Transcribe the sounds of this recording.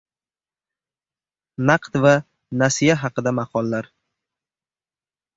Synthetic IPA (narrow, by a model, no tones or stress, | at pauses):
nɑqt̪va | nasijaɦɑqɨd̪amɑqʰɒlˠːaɾ